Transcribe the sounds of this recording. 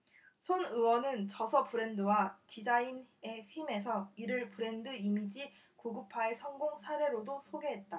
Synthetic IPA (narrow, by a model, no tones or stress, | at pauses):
sʰonɯwʌnɯnt͡ɕʌsʰʌpuɾe̞ndɯwat͡ɕid͡ʑaineçime̞sʰʌiɾɯɭpɯɾe̞ndɯimid͡ʑi | koɡɯpʰaesʰʌŋɡoŋsʰaɾe̞ɾodosʰoɡe̞ɦe̞t̚t͈a